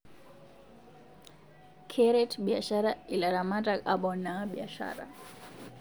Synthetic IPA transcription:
kʰɛɾɛtɓiaʃaɾailaɾamataaɓɔnaɓiaʃa̰ɾa̰

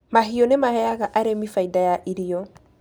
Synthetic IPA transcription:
maɦijonemahɛjakaʔaɾemifaidajaʔiɾijɔ

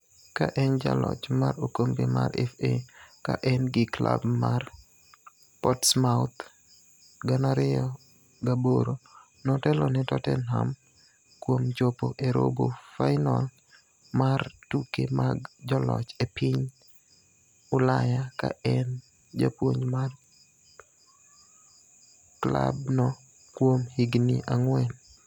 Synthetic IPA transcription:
kaʔɛnd͡ʒa̰lɔ̰t͡ʃmaɾokomɡema̰ɾɛfeka̰ʔɛnɡɪklabmar | pɔtsmaʊt̪ | ɡanaɾɪɔ | ɡaboɾo | nɔtɛlɔnɪtɔtɛnɦa̰m | kwomd͡ʒopoʔeɾo̰bofaɪnal | martukemaɡd͡ʒɔlɔ̰t͡ʃepɪɲ | ʊlajaka̰ɛn | d͡ʒa̰pwoɲmar | kla̰bnɔ | kwomhiɡnḭʔaŋwɛn

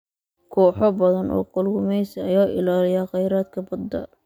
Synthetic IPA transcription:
kʰɔːħɔbɐðɐnʔɔ̰ːqʊlɡʊmɛjsɐɐjaːʔɪ̰laːlɪjaːqɛjɾaːd̪̚kʰɐbɐd̪ːɐ̰

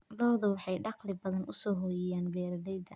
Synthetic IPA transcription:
lɔːðɐwɑħɑjɖɑqlɪbɐðɐnʔʊ̰sɔːɦɔːjɛjaːnbɛːɾɐðɛjðɐ

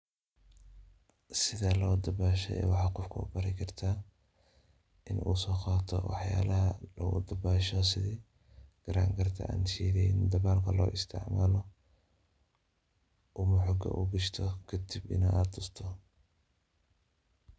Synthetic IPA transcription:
sɪðɐlɐʊd̪ɐbaːʃɛ̰ɛ̰ːwɑħɑːqɔfkʰɐʊ̰bɐɾɛkʰɐrt̪ʰaː | ʔɪnʔṵːsɔːqaːt̪ʰɔ̰wɑ̰ħja̰ːlɐɦɐlɐʊ̰d̪ɐbaːʃɔsɪðiː | ɡ̥ɐɾa̰ːŋkʰɐrt̪ʰɐ̰ʔa̰ːnʃiːðɛnd̪ɐβaːlkʰɐlɔ̰ːʔɪst̪ʰɪ̰ʕmaːlɔ | ʔʊmʊħɔɡɐ̰ʔuɡɐʃt̪ʰɔkʰɐd̪ibɪ̰nɐʔaːd̪ʊst̪ʰɔ

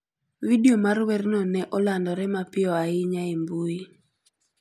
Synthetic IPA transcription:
widiomarwɛrnɔnɛʔɔlandɔɾɛmapɪɔaɪɲaimbui

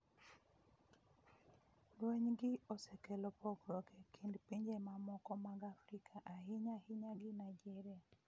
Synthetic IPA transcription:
ɡwɛɲɡiɔsɛkɛlɔpɔɡɾɔɡɛkindpiɲd͡ʒɛmamɔkɔmaɡafɾikʰaʔaɦiɲahiɲaɡinajd͡ʒɛɾia

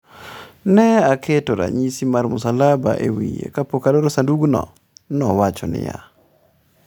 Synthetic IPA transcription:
nɛakʰetoɾa̰ɲisimaɾmʊsalaba̰ʔewijḛkapokaloɾosanduɡnɔ̰ | nɔwat͡ʃɔnɪ̰ja̰

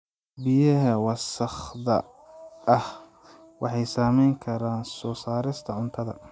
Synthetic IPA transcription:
bɪjɐɦɐwɑsɐχðɐ̰ | ɐh | wɑħɑjsaːmɛjŋkʰɐɾaːnsɔːsaːɾɪst̪ʰɐʕʊnt̪ʰɐðɐ̰

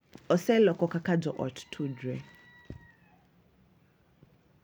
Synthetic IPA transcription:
ɔsɛlɔkɔkakad͡ʒɔʔɔ̰ttʰud͡ʒwɛ

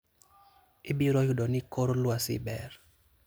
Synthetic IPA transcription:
ɪbiɾɔjudɔnɪkoɾlwasɪ̰bɛr

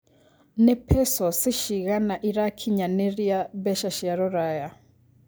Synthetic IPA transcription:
nɛpʰɛsɔsiʃiɣanaʔiɾakʰiɲanɛɾiabɛʃaʃiaɾɔɾaja

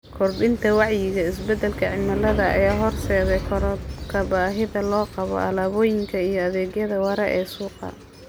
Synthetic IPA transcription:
kʰɔrbɪnt̪ʰɐwɑʕjɪɣɐɪsbɛd̪ːɛlkʰɐʕɪmɐlɐðɐɐ̰jaːɦɔrsɛːðɛjkʰɔɾbkʰɐbaːɦɪðɐlɔːqɑβɔ̰ʔɐ̰laːβɔːjɪŋkʰɐijɞɐðɛːɡjɐðɐwɑɾɐʔɛːsuːqɑ̰

